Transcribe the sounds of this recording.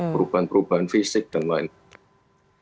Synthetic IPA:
ɾupənpɾupənfisik̚ːənlan

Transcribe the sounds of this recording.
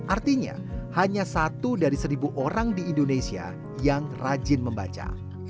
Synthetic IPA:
ʔart̪iɲa̰ | haɲasat̪udaɾisəɾibuʔoɾaŋdiːndonesia̰ | jaŋrad͡ʒɪnməmbat͡ʃa̰

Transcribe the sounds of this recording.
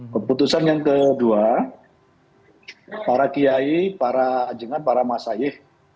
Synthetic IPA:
kəput̪usanjaŋkədua | paɾakijaipaɾad͡ʒəŋanpaɾamasajɪh

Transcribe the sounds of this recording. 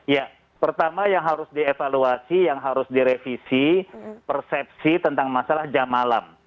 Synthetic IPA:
ja | pərt̪amajaŋɦaɾʊsdiefaluasijaŋɦaɾʊsdiɾefisipərsɛp̚sit̪ənt̪aŋmasalahd͡ʒamala̰m

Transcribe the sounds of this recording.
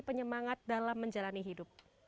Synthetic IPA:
pəɲəmaŋat̪̚dalamːəɲd͡ʒalaniɦidʊp̚

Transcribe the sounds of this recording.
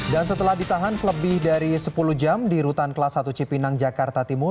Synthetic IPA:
dansət̪əlahdit̪aɦansələbɪhdaɾisəpuluhd͡ʒamdiɾut̪ankəlasat̪ut͡ʃipinaŋd͡ʒakart̪at̪imʊr

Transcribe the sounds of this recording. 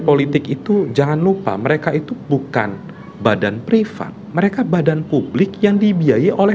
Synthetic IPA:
polit̪ɪkit̪ud͡ʒaŋanlupa̰məɾekait̪ubuka̰n | badanpɾifa̰t̪̚məɾekabadanpublɪkjaŋdibiajiʔolɛ

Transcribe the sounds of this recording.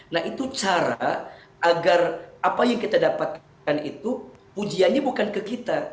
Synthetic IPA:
naɦit̪ut͡ʃaɾa | ʔaɡarapajaŋkit̪adapat̪̚ | kanit̪u | pud͡ʒianɲabukankəkit̪a

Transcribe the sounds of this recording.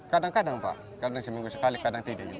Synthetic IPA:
kadaŋkadaŋba̰ | kadaʃimiŋɡʷuʃikalikadaŋtiidalib

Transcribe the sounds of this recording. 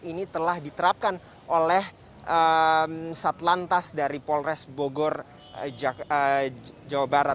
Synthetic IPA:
init̪əlahdit̪əɾap̚kan | ʔolɛh | ʔəmsat̪lant̪asdaɾipɔlrɛsboɡɔr | əd͡ʒawabaɾat̪̚

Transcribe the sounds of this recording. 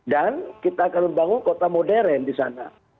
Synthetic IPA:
dankit̪aːkanməmbaŋʊnkot̪amodɛɾɛndisana̰

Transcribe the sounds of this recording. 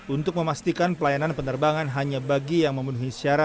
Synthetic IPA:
unt̪ʊk̚məmast̪ikanpəlajananpənərbaŋanɦaɲabaɡijaŋməmənuɦisiaɾat̪̚

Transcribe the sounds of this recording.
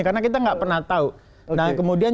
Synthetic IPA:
kaənakit̪aŋɡaʔpərnaht̪au | nakəmudian

